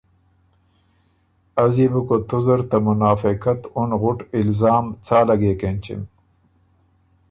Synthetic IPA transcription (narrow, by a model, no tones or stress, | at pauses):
ɐzibukot̪ʰuzɐɾt̪ɐmunaːfikɐt̪unɣʊʈilzaːmt͡sʰaːlɐɡeːkent͡ɕḭm